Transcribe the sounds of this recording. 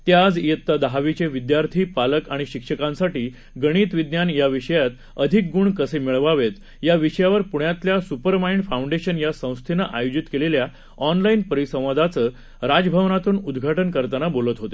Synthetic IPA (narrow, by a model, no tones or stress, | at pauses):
t̪jad͡zjet̪ːad̪əɦaʋit͡ɕeʋid̪jaɾt̪ʰiːpaləkaɽ̃iɕikʂəkãnsaʈiː | ɡəɽ̃iːt̪ʋid̪njanjaʋiʂəjat̪ | əd̪ʱik̚ɡuɳkəsemiɭʋaʋet̪ | jaʋiʂəjaʋəɾpuɳjat̪ljasupəɾmaiɳɖfauɳɖeɕənjasə̃w̃st̪ʰenəʔajod͡ʑit̪kelelja | ɔnlainpəɾisə̃w̃ʋəd̪ʱat͡səː | ɾad͡zəbʱəʋnat̪uːnud̪ɡʱaʈənkəɾt̪anabolət̪ɦot̪e